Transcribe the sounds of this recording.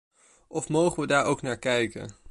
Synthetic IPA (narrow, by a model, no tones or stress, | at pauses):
ɔfmowχənʋədaːɹowknaːɹkɛjkə̰n